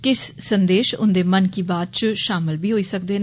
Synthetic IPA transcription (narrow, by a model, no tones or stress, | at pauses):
kɪsːənd̪eːʃʊ̰nd̪eːmənkiːbaːd̪̚t͡ʃʃaːmɪlbiːɦoːiːsəkd̪eːn